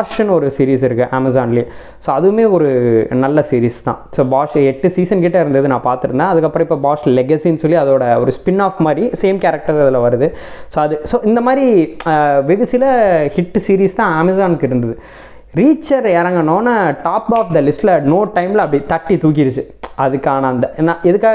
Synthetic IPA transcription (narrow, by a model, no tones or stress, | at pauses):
bːʂɐnɔɾɯsiːɾiːs̬ɪɾɯkːɯʔɐmɐzaːnlɪjɐ | soːɐðɯmeːɔɾɯnɐlːɐsiːɾiːst̪ã̰ːsoːbaːʂɛʈːɯsiːsɐnkɪʈːɐɪɾɯnd̪ɐðɯnãːpaːɾt̪ɯɾɯnd̪ãːɐðɯkːɐpːɯɾɐ̃ɪpːoːbaːslɛɡɐsiːnsɔlːiɐðoːɽɐɔ̰ɾɯspɪnːaːfmaːɾiseːmkɛɾɐk̚ʈɐɾɐðɪlɐʋɐɾɯðɯ | soːɐðɯsoːɪnd̪ɐmaːɾi | ʋɛɣɯsɪlɐhɪʈːsiːɾiːst̪ãːaːmɪsaːnɯkːɪɾɯnd̪ɐðɯ | ɾiːt͡ʃːɐɾɛɾɐŋɡɐɳõːnːaːʈaːpaːfd̪ɐlɪsʈlɐnoːʈːɐɪmɪlɐɐpɽit̪ɐʈːit̪uːk̬ɪɾt͡ʃːɯɐðɯkːaːnɐɐnd̪ɐnːaːʔɛðɯkːaː